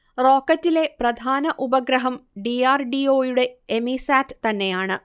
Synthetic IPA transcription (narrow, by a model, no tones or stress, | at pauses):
ro̞ːkːɐtːile̞prɐd̪ʱaːnɐʔubɐɡɾɐɦɐmɖiaːrɖio̞ːjuɽe̞ːmisaːtːɨ̥t̪ɐnːe̞jaːɳɨ